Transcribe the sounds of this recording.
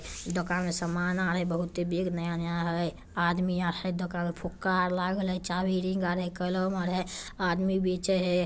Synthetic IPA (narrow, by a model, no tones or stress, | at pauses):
d̪okaːnmẽsəmaːnaːɾɦɛbəɦʊt̪ebeːɡnəjanəjaɦə | aːd̪miaːɾhəd̪ʊkanmepʰʊkːaɾlaːɡəlɦɛt͡ʃaːbiɾĩŋɡaːɾɦɛkələmaɾɦɛaːd̪mibeːt͡ʃəɦɛ